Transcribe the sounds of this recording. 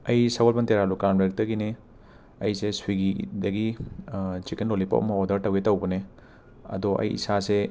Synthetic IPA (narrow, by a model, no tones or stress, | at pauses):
ɐjsaɡolpɐnteɾalukanbek̚tɐɡine | ɐjseswiɡidɐɡi | t͡ʃikenlolipɐ̰ʔɐ̰mɐodɐɾtɐwetɐwbɐne | ɐ̰dɔʔɐ̰jḭsase